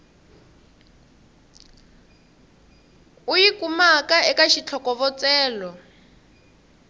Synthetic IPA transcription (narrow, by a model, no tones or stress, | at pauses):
ujikumakaɛkaʃit͡ɬʰɔkɔvɔt͡sɛːlɔ